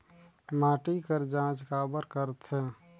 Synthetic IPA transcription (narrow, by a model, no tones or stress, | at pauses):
maːʈikəɾd͡ʒãːt͡ʃkaːbəɾkəɾt̪ɦɛ̃